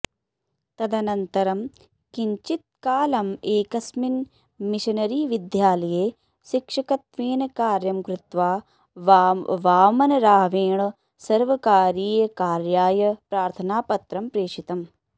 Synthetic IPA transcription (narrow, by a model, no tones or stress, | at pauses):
t̪ɐd̪ɐnɐnt̪ɐɾɐm | kiɲt͡ʃit̪̚kaːlɐmeːkɐsmin | miʃɐnɐɾiːʋid̪jaːlɐjeː | ʃikʂɐkɐt̪ʋeːnɐkaːɾjɐmkɾut̪ʋaː | ʋaːmɐnɐɾaːʋeːɳɐ | sɐɾʋɐkaːɾiːjɐkaːɾjaːjɐpɾaːɾt̪ʰɐnaːpɐt̪ɾɐmpɾeːʂit̪ɐm